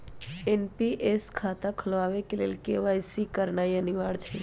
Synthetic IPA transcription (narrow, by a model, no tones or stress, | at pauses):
enpiʔeskʰaːt̪akʰəlʋaːʋekeleːlkeʋajsikəɾnaːiənɪʋaːɽt͡ʃʰe